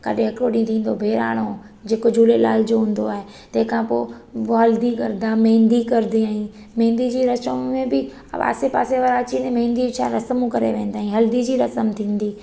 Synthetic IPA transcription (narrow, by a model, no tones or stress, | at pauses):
kɐ̰ɗʱɪ̃ɦɐkɾoɗĩːt̪ʰĩːn̆d̪obʱeːɾa̰ːɽ̃o | d͡ʑeːkod͡ʑʱuːlela̰ːld͡ʑoɦũːn̆d̪oaːɦe | t̪ɐ̃ɦɪ̃kʰãpo̰ːʋːɐld̪ikɐ̰ɾd̪ãmẽːnd̪ikɐɾd̪iaːɦĩ | mẽːnd̪id͡ʑiːɾɐsə̃mẽbɪ | ʋa̰ːsepaːseʋɐɾaːt͡ɕinɛmẽːnd̪it͡ɕʰãɾɐsəmũkɐɾḛʋẽːnd̪aːɦĩɦɐld̪id͡ʑiːɾɐsəmt̪ʰĩːnd̪iː